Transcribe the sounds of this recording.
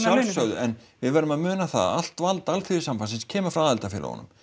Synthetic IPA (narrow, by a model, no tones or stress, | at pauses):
sasœɣðʏʔɛnvɪðvɛɾʏmaðmʏːnaθa̰ð̰a̰l̥t̪valt̪alθʰiɪsamfansɪnscʰɛːmafɾaðalt̪afjɪ̰ɾa̰ɔ̰nːʏ̰m